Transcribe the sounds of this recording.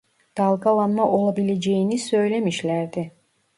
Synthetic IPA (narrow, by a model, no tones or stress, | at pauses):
d̪̥ɑlˠɡalˠamnaʔolˠabiled͡ʒejinisø̞jlemiʃlʲæɾd̪i